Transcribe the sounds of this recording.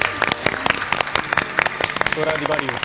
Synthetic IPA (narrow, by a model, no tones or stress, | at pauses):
t̪oɾad̪ibaːɽio